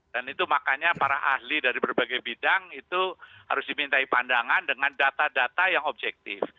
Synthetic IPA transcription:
danit̪umakaɲapaɾaʔahlidaɾibərbaɡajbidaŋit̪uha̰ɾʊsdimint̪aipandaŋandəŋandat̪adat̪ajaŋob̚d͡ʒɛk̚t̪ɪ̰f

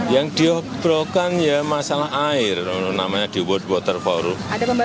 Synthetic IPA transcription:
jaŋd̪̥iɔb̥ɾɔkanjamasalaɦaɪrnamaɲad̥iwɔt̪̚wɔt̪ərfɔɾuada

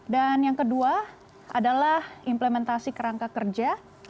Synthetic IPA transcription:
danjaŋkədua | ʔa̰dalahimplemɛnt̪asikəɾaŋkakərd͡ʒa

